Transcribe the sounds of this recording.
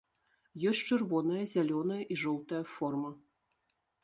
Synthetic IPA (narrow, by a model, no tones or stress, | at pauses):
jɔsʲt͡ʂɨrvɔnɐjɐzʲalʲɔnɐjɐʔiʐɔwˠt̪ɐjɐfɔrmɐ